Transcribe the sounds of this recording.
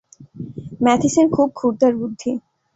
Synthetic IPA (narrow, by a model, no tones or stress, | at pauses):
mɛt̪ʰiseɾkʰub̚kʰuɾd̪aɾbud̪ʱːi